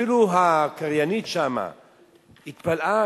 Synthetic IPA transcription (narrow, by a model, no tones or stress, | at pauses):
iluɦakaɾjaniʃama̰ | it̪̚palʔa